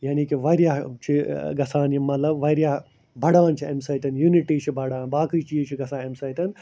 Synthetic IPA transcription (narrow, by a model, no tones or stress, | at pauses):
jaːniːkiʋɐɾjaːt͡ʃʰiɡɐsaːnimɐt̪lɐbʋɐɾjaː | bʱɐɽãːnt͡ʃʰiɐmsɐːt̪ɐnjuniʈiːt͡ʃʰibʱɐɽaːnbaːkɨt͡ʃiːt͡ʃʰiɡɐsãːemsɐjt̪ɐn